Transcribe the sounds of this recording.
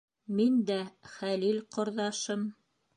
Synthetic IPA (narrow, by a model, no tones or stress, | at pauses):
mind̪æχælilqŏɾðɑʃɤm